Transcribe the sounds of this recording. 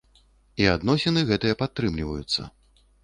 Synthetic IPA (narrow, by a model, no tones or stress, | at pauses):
iad̪nɔsʲɛnɨɣɛt̪ɨjɐpat̪ːɾɨmlʲivɐ̰jut̪sːɐ̰